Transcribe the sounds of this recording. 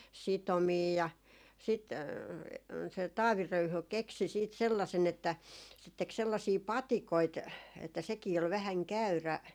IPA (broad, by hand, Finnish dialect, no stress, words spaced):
sitomiː jɑ sit se tɑːʋi røyhy keksi siːt selːɑsen etːæ se tek selːɑsiː pɑtikoit etːæ sekiː ol ʋæhæŋ kæyræ